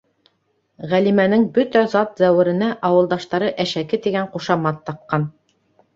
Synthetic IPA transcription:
ʁælimænɘŋbɵt̪æzɑt̪zæwɘ̆ɾɘ̆næʔɑwɤ̆lˠd̪ɑʃt̪ɑɾɤʔæʃækɘt̪iɡæɴquʃɑmɑt̪ːɑp̚qɑn

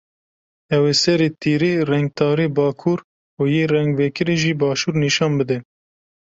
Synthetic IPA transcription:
ɛwesɛɾet̪iːɾiːrɛŋɡ̚t̪ʰɑːɾeːbɑːkʰuːɾ | uːjeːrɛŋɡveːkʰɨɾeʒiːbɑːʃuːɾniːʃɑːnbɨd̪ɛ

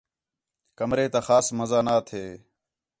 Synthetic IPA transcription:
kəmɾeːt̪aːxaːsməzaːnaːt̪ʰɦeː

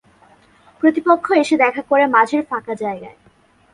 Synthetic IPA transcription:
pɾot̪ipokʰːoeʃed̪ɛkʰakoɾemad͡ʑʱeɾfakad͡ʑaeɡa̰e

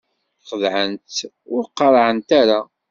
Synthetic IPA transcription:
χəðʕənt̪ | ʊɾqːəɾˤʕənt̪aɾa

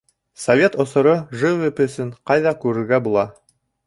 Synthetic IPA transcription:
sɐvʲe̞t̪ŏsɤ̆ɾɤʒɘvepɘ̆sɘɴqɑjðɑkʉɾɘ̆ɾɡæbulˠɑ

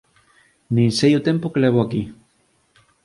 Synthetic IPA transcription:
nĩnsejʊt̪empokeleβoaki

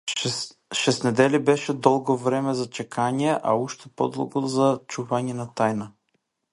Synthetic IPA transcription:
ʃɛsnɛd̪ɛlibɛʃɛd̪ɔlˠɡovɾɛmɛzɐt͡ʃɛkaniɛʔa̰uʃt̪ɛpɔ̰d̪ɔ̰lˠɡozat͡ʃuvaniɛnɐt̪ajnə

